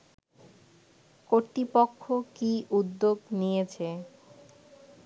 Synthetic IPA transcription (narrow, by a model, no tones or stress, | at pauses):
koɾt̪ipokʰːokiʔud̪ːoɡnijet͡ɕʰe